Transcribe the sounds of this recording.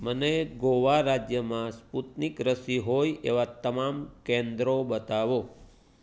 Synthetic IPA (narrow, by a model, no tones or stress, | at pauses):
məneɡoʋaɾad͡ʒjəmãsput̪nikɾəsiɦojʔḛʋat̪əmamkẽnd̪ɾobət̪aʋo